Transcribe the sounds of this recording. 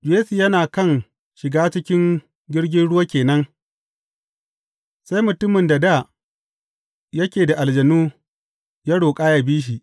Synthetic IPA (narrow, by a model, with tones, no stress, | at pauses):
d͡ʒeː˦si˨jɐ˦naː˨kɐ˦˨ŋ | ʃɪ˨ɡaː˦t͡ʃɪ˦kʲɪ˦ŋ | ɡʲɪ˦ɽɡʲɪ˦nɽʊ˦wa˦kʲeː˨nɐ˦ŋ | sa˦jmʊ˨tʊ˦mɪ˨nda˨da˦˨ | jɐ˦kʲeː˨da˨ʔa˨ld͡ʒɐ˨nuː˦ | jaː˦ɽoː˨kʼaː˦ja˨biː˦ʃ̬i˨ʔ